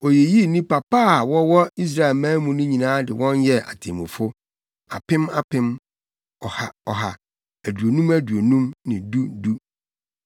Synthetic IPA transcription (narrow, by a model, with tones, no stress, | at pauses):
o˨je˨ji˦nĩ˦pa˨paː˦˨wɔ˦wɔ˦i˦s̬ɾa˦e˨lmãː˦mũ˨˦nʊ̃˦ɲĩ˨nãː˦dɪ˨wɔ̃˦njɛ˦a̰˨tʰḛ̃˨mũ˨fʊ˦ | a̰˨pʰɪ̃˦ma˦pʰɪ̃˦m | ɔ˨ha˨ɔ˨ɦa̰˨ | æ˨du˨o˨nũ˦mæ˦du˨o˨nũ˦mnɪ̃˨du˦du˦